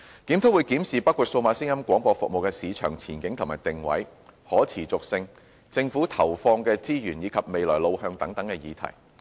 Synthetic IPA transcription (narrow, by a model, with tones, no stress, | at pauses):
k̪iː˨˥mt̪ʰo˥wu˨˧jkiː˨˥msiː˨pɐ˥kʷːu˨˧t̚so˧wmaː˨˥sɪ˥ŋjɐ˥mkʷwʷɔː˨˥ŋpɔː˧fʊ˨k̚mo˨wkɛː˧siː˨˧t͡ʃʰœ̰ː˨˩ŋt͡sʰiː˨˩nkɪ˨˥ŋt̪ʰʊ˨˩ŋmaː˨˩jt̪ɪ˨ŋwɐ̰˨˥j | hɔː˨˥t͡sʰiː˨˩t͡sʊ˨k̚sɪ˧ŋ | t͡sɪ˧ŋfuː˨˥t̪ʰɐ˨˩wfɔː˧ŋkɛː˧t͡siː˥jyː˨˩njiː˨˧˥kʰɐ˨p̚me˨jlɔ̰ː˨˩jlo˧whœː˧ŋt̪ɐ˨˥ŋt̪ɐ˨˧˥ŋkɛː˧jiː˨˧t̪ʰɐ̰˨˩j